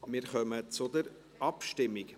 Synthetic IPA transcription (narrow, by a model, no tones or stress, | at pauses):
mɪːɾχœmət͡sʊd̪əɾ | ɑpʃtɪmːɪk